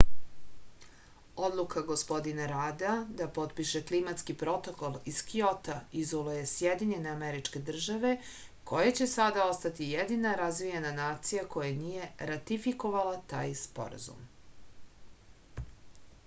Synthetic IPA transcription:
o̞d̪lˠukʰaɡospo̞d̪inaɾaːd̪ad̪apo̞t̪piʃeklimat̪skipɾo̞t̪o̞ko̞lˠiskio̞t̪aizolujesjed̪iɲe̞ne̞ameɾit͡ʂke̞d̪r̩ʒaʋe̞ | kʰo̞jat͡ɕe̞sad̪ao̞st̪at̪ijed̪inaɾazʋije̞nanaːt̪sijako̞janije̞ɾat̪ifiko̞ʋalat̪a̰ːjspo̞̰ɾa̰zṵm

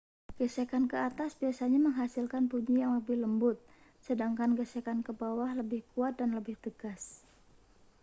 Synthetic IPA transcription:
ɡ̥əsekankəat̪asbiasaɲaməŋɦasilkanpuɲijaŋləbɪhləmbʊt̪̚ | sədaŋkanɡəsekankəbawahləbɪhkuat̪̚danləbɪht̪əɡas

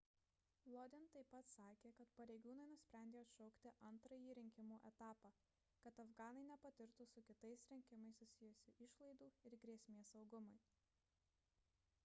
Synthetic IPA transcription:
lˠɔːd̪ʲɪnt̪ɐɪpːɐt̪sɑːkʲeːkɐt̪pɐɾʲeɪɡuːnɐɪnʊsʲpʲɾʲæˑnʲd̪ʲeːɐt̪ʃɔʊkt̪ʲɪʔɐnt̪ɾɐjiːɾʲɪŋʲkʲɪmuːʔɛt̪ɑːpɑː | kɐt̪ɐfɡɑːnɐɪnʲɛpɐt̪ʲɪɾt̪ʊsʊkʲɪt̪ɐɪsɾʲɪŋʲkʲɪmɐɪssʊsʲɪjʊsʲɪʔɪʃlˠɐɪd̪uːɪɾɡɾʲeɛsʲmʲeːsɐʊɡʊmɐɪ

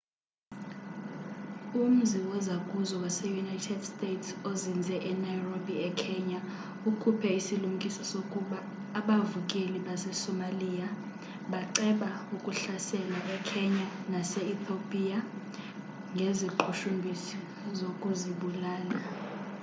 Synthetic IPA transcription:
um̩ziwɔzakʼuzɔwasɛjunajtʰɛdstʼetʰsozind͡zʱɛʔɛnajrobʱiɛkʰɛɲa | ukʰupʰɛisilum̩kʼisɔsokʼuɓaː | ɓavukʼeliɓasɛsɔmaliːa | ɓaǀɛɓaukʼuɬasɛlaʔɛkʰɛɲanasɛit̪ʰopʼiːa | ŋɡʱeziǃʰuʃumbʱisi | zokʼuziɓulaːla

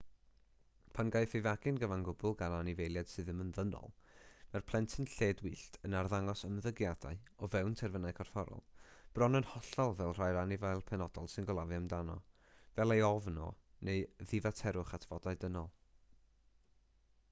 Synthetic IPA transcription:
pʰanɡajfivaɡɨnɡəvanɡʊbʊlˠɡananɪvejlˠjad̥sɨðəmənðənɔ̰lˠmɛrpʰlˠɛntʰənɬeːdwiːɬtʰənarðaŋɔsəmðəɡjad̥a̰ɨɔvɛwntʰɛrvənaɨkʰɔrfɔɾɔ̰lˠb̥rɔnənhɔɬɔlˠvɛlˠr̥ajɾanɪvajlˠpʰɛnɔdɔlˠsɨnɡɔlˠavjamdanɔ̰ | vɛlˠejɔvnɔ̰neɨðɪvatʰɛɾʊχatʰv̥ɔdaɨdənɔlˠ

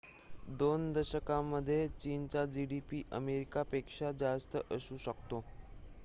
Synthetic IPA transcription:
d̪ond̪əɾɕəkamːəd̪ʱːjet͡ɕiːnt͡ɕad͡ʑiɽipiːʔəmeɾikapekʂad͡ʑast̪əʔəsuːɕəkt̪o

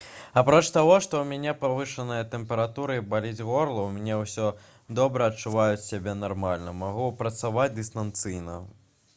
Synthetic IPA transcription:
apɾɔt͡ʂt̪aɣɔʂt̪ɔwmʲanʲɛpavɨʂɐnɨjɐt̪ɛmpɛɾat̪uɾɨibalʲid͡zʲɣɔrlˠɐwmʲnʲɛwsʲɔ | d̪ɔbɾɐɐt͡ʂːuvajut͡sʲsʲabʲɛnarmalʲnɐmaɣupɾɐt̪savad͡zʲd̪ɨst̪ɐnt̪sɨjnɐ̰

